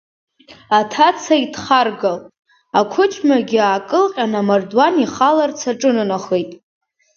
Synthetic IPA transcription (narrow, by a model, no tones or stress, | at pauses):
atʰat͡sʰaitʰχarɡalʼ | akʷʰʊt͡ʃʰmaɡʲɪakʼɨlqʲʼanamardwaniχalart͡sʰaʈ͡ʂʼɨnɨnaχejtʼ